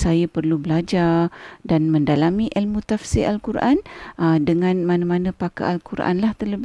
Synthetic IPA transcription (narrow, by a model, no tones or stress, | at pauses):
sajapərlubəlad͡ʒadanmə̃ndalamĩʔəlmut̪afsɪʔalkuɾʔa̰nʔədəŋãnmanamanə̃paka̰ʔalkuɾʔa̰nlaht̪ərləb